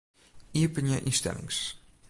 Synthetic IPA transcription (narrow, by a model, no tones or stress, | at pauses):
iəpənjəʔinstɛ̰lɪ̰ŋs